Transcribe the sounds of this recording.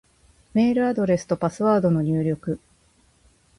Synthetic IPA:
me̞ːɾɯ̟ad̪o̞ɾe̞sɨ̥t̪o̞pasɨβaːd̪o̞no̞ɲ̟ɨːɾʲo̞kɯ̟

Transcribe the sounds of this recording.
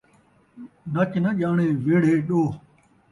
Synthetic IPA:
nɐt͡ʃnɐʄaːɳeːʋeːɽeːɗoː

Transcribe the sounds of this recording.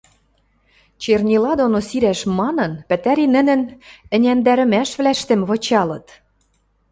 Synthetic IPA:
t͡ɕernʲilɑd̪onosiɾæʃmɑnɤ̆npɘ̆t̪æɾinɘ̆nɘ̆nɘ̆nʲænd̪æɾɘ̆mæʃβlæʃt̪ĕmβŏt͡ɕɑlɤ̆t̪

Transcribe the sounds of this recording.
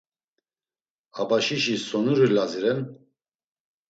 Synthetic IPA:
abaʃiʃisɔnuɾilaziɾɛn

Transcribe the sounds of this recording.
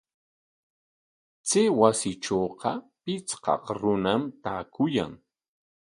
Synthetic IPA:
t͡sɪwasɪʈ͡ʂoːqɑpɪt͡sqɑ̰qɾʊnamt̪aːkʊja̰ŋ

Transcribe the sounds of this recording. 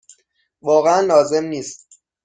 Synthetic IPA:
vɒːɣeænlɒːze̞mniːst̪̚

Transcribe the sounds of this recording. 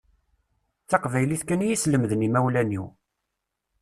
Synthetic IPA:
t͡sːɑqvæjliθkænjisləmðnimæwlæniw

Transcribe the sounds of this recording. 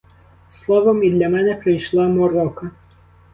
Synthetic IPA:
slˠɔʋɔmid̪lʲɐmɛnɛpɾejʃlˠɑmɔɾɔkɐ

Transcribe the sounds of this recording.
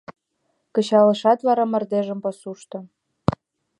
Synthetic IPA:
kə̆t͡ɕɑlɤ̆ʃɑt̪βɑɾɑmə̆rd̪eʒə̆mposuʃt̪ɤ̆

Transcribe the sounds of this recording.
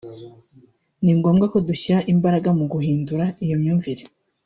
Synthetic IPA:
niŋɡo̞mɡako̞duçiɾaʔimbaɾaɡamuɡuɦiːnduɾaijomɲuːɱviɾe

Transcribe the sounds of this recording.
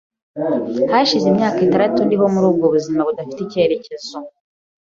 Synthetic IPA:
haʃizemɲaːkitaɾatundiɦo̞muɾuːb̚ɡo̞βuzimaβudafi̥ticeɾe̞ce̞zo

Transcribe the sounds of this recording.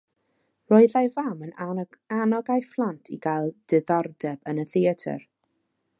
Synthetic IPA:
rɔɨðajvamənanɔɡajflˠantʰḭɡajlˠd̥ɪðɔrdɛb̥ənəθiətʰə̰r

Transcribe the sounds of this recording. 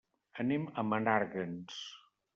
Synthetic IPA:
əneməmənaɾɣəns

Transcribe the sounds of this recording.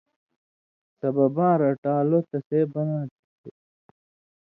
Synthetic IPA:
sɐbɐbãːɾɐʈaːlot̪ɐsebɐnaːt̪i̥te

